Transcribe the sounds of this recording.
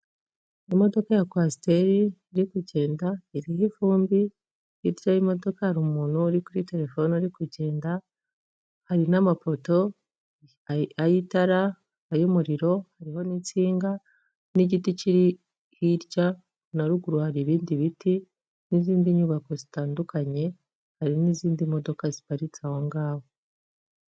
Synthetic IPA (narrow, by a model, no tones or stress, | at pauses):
imo̞do̞kajakwasi̥te̞ɾiːɾikuɟe̞ːndaiɾihifuːmbi | hiɾɟaimo̞do̞kahaɾumuːn̥huːɾikuɾite̞ɾe̞fo̞nuɾikuɟe̞ːnda | haɾinamafo̞to̞ | ajitaɾa | ajumuɾiɾo̞haɾiho̞nit͡siːŋɡa | niɟiticiɾi | hiɾɟa | naɾuɡuɾuhaɾiβiːndiβiti | niziːndiɲuβako̞zitaːndukʰaɲe̞ | haɾiniziːndimo̞do̞kazi̥paɾit͡sahoŋɡaːwo̞